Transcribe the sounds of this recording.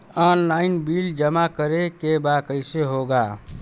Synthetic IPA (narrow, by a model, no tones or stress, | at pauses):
ɔːnlaːɪnbiːld͡ʒəmakəɾekebakəɪseɦoɡaː